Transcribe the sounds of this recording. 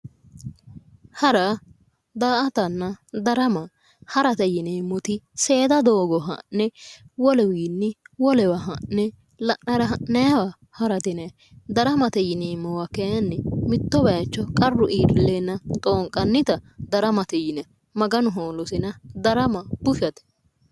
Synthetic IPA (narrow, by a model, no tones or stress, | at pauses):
hɐɾɐ | d̪aːʔɐt̪ɐnːɐd̪ɐɾɐmɐ | hɐɾɐt̪ɛjɪnemɔt̪ɪse̞ːd̪ɐd̪o̞ːɡɔɦɐ̰nːɛwɔlɛwiːnːɪwɔlɛwɐɦɐʔnːɛ | lɐʔnɐɾɐɦɐʔnɐjɐwɐ | hɐɾɐt̪ɪnɛ | d̪ɐɾɐmɐt̪ɛjɪneːmːɔwɐkɛjɐnːɛmɪt̪ːɔbɐjɐt͡ʃːɔkʼɐrːʊʔiːɾɪlːenːɐt̪ʼoːŋkʼɐnːɪt̪ɐd̪ɐɾɐmɐt̪ɛjɪnɛ | mɐɡɐnʊɦoːlɔsɪnɐd̪ɐɾɐmɐb̥ʊfɐt̪ɛ̥